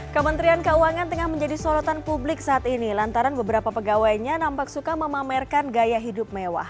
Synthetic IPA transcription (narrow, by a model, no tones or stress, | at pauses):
kəmənt̪ɾiankəuaŋant̪əŋahməɲd͡ʒadisɔlɔt̪anpublɪksaːt̪inilant̪aɾanbəbəɾapapəɡawajɲanampak̚sukaməmamɛrkanɡajaɦidʊp̚mewa̰h